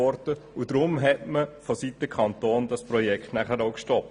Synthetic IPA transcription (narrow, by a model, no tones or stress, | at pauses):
ɔɾtəud̥ɾʊmɦɛtməfosit̪ːəkʰɑnt̪oːndɑspɾɔjɛkχtnæχəɾoʊkʃtɔp̚